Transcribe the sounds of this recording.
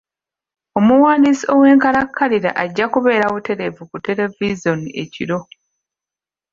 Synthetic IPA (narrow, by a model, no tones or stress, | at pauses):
o̞muwaːnisio̞we̞ːŋkaɾakʰːaliɾa̰ʔaɟːakuβe̞ːɾaβute̞ɾe̞vukute̞le̞vizo̞nie̞cḭɾo̞